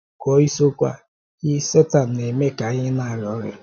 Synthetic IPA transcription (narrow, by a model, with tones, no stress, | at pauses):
kɔ˦i˦so˦kʷa̰˦ | i˦se˦ta˨n̩˨e˨me˦ka˨˦ɲɪ˦na˨ɾɔ˦ɾɪ̰˦